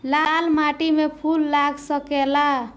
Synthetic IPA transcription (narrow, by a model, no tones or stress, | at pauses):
lalmaʈimepʰulːaɡsəkela